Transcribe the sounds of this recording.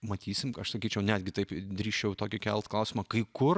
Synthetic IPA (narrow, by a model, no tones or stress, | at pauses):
mɐt̪ʲiːsʲɪmkɐʃsɐkʲiːt͡ʃʲɛʊnʲæːd̪ʲɡʲɪt̪ɐɪpd̪ʲɾʲiːʃt͡ʃʲɛʊt̪oːkʲɪkʲɛlˠt̪klˠɐʊsʲɪmɐkɐɪkʊr